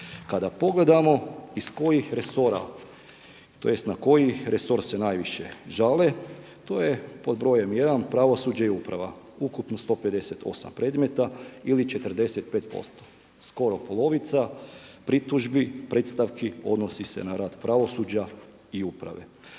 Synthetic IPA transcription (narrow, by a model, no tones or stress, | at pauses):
kad̪apo̞ɡle̞d̪amo̞isko̞jixɾeso̞ɾa̰ | t̪ojest̪nako̞jiɾeso̞ɾse̞naːjʋiʃḛʒale | t̪o̞ːje̞po̞d̪bɾo̞je̞mje̞d̪anpɾaʋo̞suːd͡ʒaiupɾaʋa̰ | ukupnost̪o̞ped̪e̞se̞t̪ʰo̞̰sa̰mpɾe̞d̪me̞t̪ailit͡ʃe̞t̪əɾ̩d̪e̞se̞t̪̚peːt̪po̞̰st̪o̥ | sko̞ɾo̞po̞lˠo̞ʋit̪sapɾit̪uʒbipɾe̞t̪st̪aʋkio̞̰d̪no̞sise̞̰naɾaːd̪pɾaʋo̞sud͡ʑa | iupɾa̰ʋe̞̰